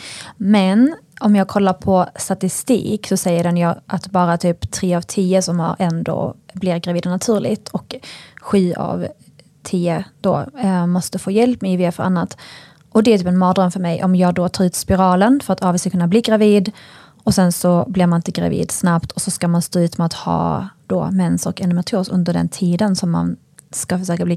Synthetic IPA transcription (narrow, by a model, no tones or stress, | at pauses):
mɛn | ɔmjɑːɡ̚kʰɔlːaɾpʰɔst̪at̪ɪst̪ḭːksɔsɛjːəɖɛnjɑːʔat̪bɑːɾat̪ʰyːpt̪ʰɾeːavt̪ʰiːəsɔmha̰ɾɛnd̪o̰ːblɪɾɡɾaviːd̪ɔnat̪ʰʉ̟ːɾlɪ̰ɡt̪ʰɔkɧyːa̰v | t̪ʰiːəd̪̥o̰ːmɔst̪əfoːjɛlpmɛjɪveːfəɾʔa̰nːat̪ | ʔɔd̪ɛæɾt̪yːpɛnmɑːd̪ɾəmfœɾmɛjʔɔ̰mjɑːɡ̚d̪ot̪ʰɑːɾʉ̟ːt̪spɪɾɑːlənfœɾat̪ʰɑːvɛskakʰɵnːabliːɡɾaviːd̪ | ɔsɛnsɔblɪɾmanɪnt̪əɡɾa̰vḭːd̪snap̚t̪ʰɔsɔskamanst̪oːʉ̟ːt̪mɛat̪hɑ̰ːd̪̥o̰ːmɛnsɔ̰kɛnɪmat̪ʰoːsɵ̰nd̪əɖɛ̰nt̪ʰiːd̪ənsɔmːa̰n | skafœʂøːkabliː